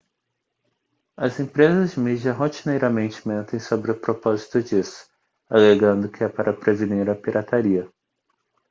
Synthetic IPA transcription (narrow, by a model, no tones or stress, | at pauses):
ɐzẽpɾezɐzd͡ʒɪmid͡ʒiɐɦot͡ʃinejɾɐmẽnt͡ʃɪ̥mẽnt̪ẽj̃sobɾɪʊpɾopɔzit̪ʊd͡ʒisʊ̥ | aleɡɐ̃nd̪ʊkɪɛpaɾɐpɾeveniɾɐpiɾʔat̪aɾiɐ